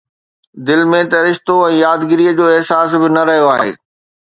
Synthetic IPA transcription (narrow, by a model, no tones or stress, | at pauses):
d̪ɪlmẽt̪ɐɾɪʃt̪oɛ̃ːjaːd̪ɡɪɾiːəd͡ʑoːɪɦsaːsbɪnɐɾɐɦijoaːɦḛː